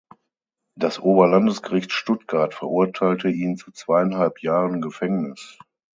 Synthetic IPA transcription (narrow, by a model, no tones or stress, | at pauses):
d̥asʔoːbɐlandəsɡ̥əʁɪçtʃtʊtɡ̥aɐtfɛɐʔʊɐtʰaɪltʰəiːnt͡sut͡sv̥aɪanhalpʰjaːʁənɡəfɛŋnɪs